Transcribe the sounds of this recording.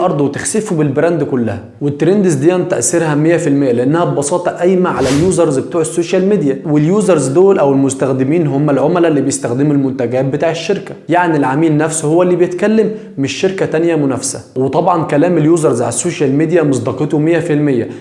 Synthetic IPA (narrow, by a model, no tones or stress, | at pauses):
ʔɑɾˤd̪ˤwet̪exsefubelbɾænd̪kʊlːæ̰hæ | wet̪ːɾend̪ezd̪ijænt̪æʔæsːeɾhæmejːæfilmejːæleʔenːæhæbbɑsˤɑːt̪ˤɑʔæjmæʕalæljuːzɑɾˤzbet̪uːʕesːoːʃælmed̪ijæweljuːzɑɾˤzd̪oːlʔæwelmost̪æxd̪ɪmiːnɦomːælʕomælælːiːbejest̪æxd̪ɪmulmʊnt̪æɡæːt̪̚bet̪aːʕeʃːeɾkæjaʕnilʕamiːlnæfshowːælːiːbejet̪kælːemː | eʃːeɾkæt̪ænjæmʊnæfsæ̰wet̪ˤɑbʕɑnkælæːmeljuːzɑɾˤzʕa̰læsːoːʃælmed̪ijæmɑsˤd̪ɑːqet̪ˤomejːæfilmejːæ